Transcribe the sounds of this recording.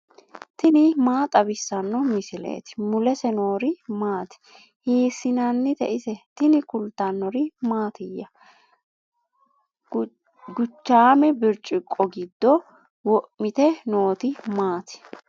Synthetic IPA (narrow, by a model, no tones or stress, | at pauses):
t̪ɪnɪmaːt̪ʼɐbɪsːɐnːɔmɪsɪlḛːt̪ɪ̥mʊlɛsɛno̞ːɾɪmaːt̪ɪ̥ | hiːsːɪnanːɪt̪ɛ̰ʔɪsɛt̪ɪnɪkʊlt̪ːɐnːɔɾɪmaːt̪ɪjːɐ | ɡʊt͡ʃːaːmɛbɪɾt͡ʃʼɪkʼːɔɡɪd̪ːɔ | wɔʔmɪt̪ɛno̞ːt̪ɪmaːt̪ɪ̥